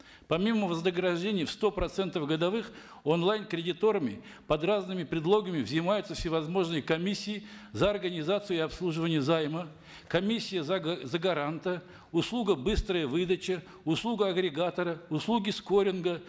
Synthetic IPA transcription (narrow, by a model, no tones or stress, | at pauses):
pɐmʲimːəvəznəɡɾɐʐdʲenʲɪjfst̪o̞pɾɐt̪sɛnt̪əfɡəd̪ɐvɨx | onlˠajnkɾʲɪdʲɪt̪o̞ɾəmʲɪ̰ | pɐd̪raznɨmʲɪpɾʲɪd̪lˠo̞ɡəmʲɪvzʲɪmajʊt̪səfsʲɪvɐzmo̞ʐnɨjəkɐmʲisʲːɪɪzəɐrɡənʲɪzat̪sɨjʊɪɐpslˠuʐɨvənʲɪjəzajmə | kɐmʲisʲːɪjəzzəɡɐɾant̪ə | ʊslˠuɡəbɨst̪ɾəjəvɨd̪ət͡ɕɪ | ʊslˠuɡəɐɡɾʲɪɡat̪əɾəʊslˠuɡʲɪskoɾʲɪnɡə